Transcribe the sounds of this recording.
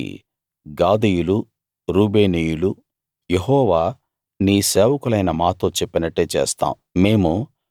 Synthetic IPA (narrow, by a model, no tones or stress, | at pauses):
ɡaːd̪ejulu | ɾuːbeːnijulu | jeɦɔːʋaː | niːseːʋɐkulɐjnɐmaːt̪oːt͡ʃepːinɐʈːeːt͡ʃḛːst̪a̰ːmume̞ːmu